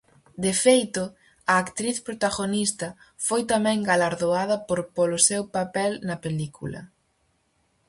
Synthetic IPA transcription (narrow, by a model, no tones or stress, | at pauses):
d̪efejt̪ʊ | ɐːkt̪ɾiθpɾot̪aɣonist̪ɐ | fojt̪amɛ̃ŋɡalaɾðoaðɐpoɾpolʊsewpapɛlnɐpelikʰṵlɐ̰